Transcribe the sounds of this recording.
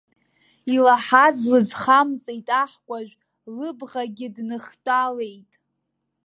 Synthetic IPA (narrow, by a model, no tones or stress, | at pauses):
ilaħazlɨzχamt͡sʼejtʼaħkʷʼaʒᶣʷ | lɨbʁaɡʲɪdnɨχtʼale̞jtʼ